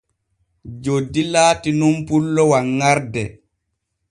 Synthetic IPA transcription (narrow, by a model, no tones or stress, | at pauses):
d͡ʒodːilaːtinumpulːɔwaŋːaɾdɛ